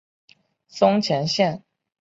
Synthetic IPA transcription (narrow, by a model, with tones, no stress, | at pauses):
sʊ˥ŋt͡ɕʰjɛ˧˥nɕjɛ˥˩n